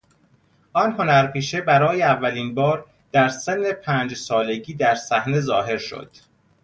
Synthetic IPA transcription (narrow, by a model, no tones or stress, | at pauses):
ʔɒːnɦo̞næɾpʰiːʃebæɾɒːjeævːæliːnbɒːɾ | d̪̥æɾse̞nːe̞pʰæːnd͡ʒsɒːle̞ɟiːd̪æɾsæhne̞zɒːɦe̞ɾʃo̰d̪̥